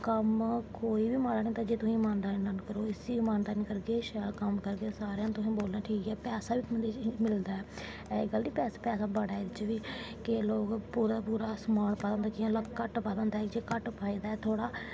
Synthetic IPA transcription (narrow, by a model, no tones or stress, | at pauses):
kəmkoːiːbiːmaːɾaːnĩːt̪ãːd͡ʒeːt̪ʊsĩːmaːnd̪aːnĩːnankəɾoːɪsiːmaːnd̪aːnĩːkəɾɡeːʃɛːlkəmkəɾɡeːsaːɾjãːt̪ʊsĩːboːlnaːʈʰiːkɛːpɛːsaːʋiːt̪ʊmənd̪iːt͡ʃːmɪld̪aːɛː | ɪɡəld̪iːpɛːsapɛːsaːbəɽaːed̪ɪt͡ʃʋiː | keloːkpuːɾapuːɾaːsmaːlpəd̪ənd̪aːkɪãːləkkːəʈpad̪ənd̪aɛkd͡ʒeːkəʈpʰaːiːd̪aːɛːt̪ʰoːɽaː